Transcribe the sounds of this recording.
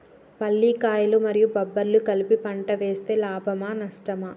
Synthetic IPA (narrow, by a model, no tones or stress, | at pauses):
pɐlːiːkaːjɐlumɐɾijubɐbːɐɾlukɐlipipɐɳʈɐʋeːst̪e̞ːlaːbʱɐmaːnɐsʈɐma